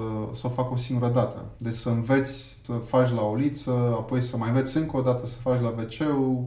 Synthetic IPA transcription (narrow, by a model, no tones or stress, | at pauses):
səofako̞siŋɡuɾəd̪at̪ə̰d̪esəɨnve̞t̪sʲ | səfat͡ʃʲlaolit̪səapo̞jsəmajɨnve̞t̪sʲɨŋkəod̪at̪əsə̥fat͡ʃʲlabe̞t͡ʃe̞u